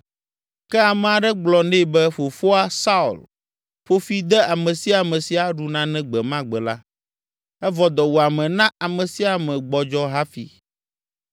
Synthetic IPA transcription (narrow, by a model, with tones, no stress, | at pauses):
kɛ˦a˨mɛ̃˨a˨ɖɛ˦ɡ͡blɔ˨nɛ̃˦˨bɛ˦ɸo˨fo˦a˦sa˦ṵ˨l | ɸo˦fi˦d̪ɛ˦a˨mɛ̃˨si˦a˨mɛ̃˨si˨a˨ɖu˨nã˦nɛ̃˦ɡ͡bɛ˨mã˦ɡ͡bɛ˨la̰˦ | ɛ˦vɔ˨d̪ɔ˨wo˨a˨mɛ̃˨nã˦a˨mɛ̃˨si˦a˨mɛ̃˨ɡ͡bɔ˨d͡ʒɔ˦ɦa˦fḭ˨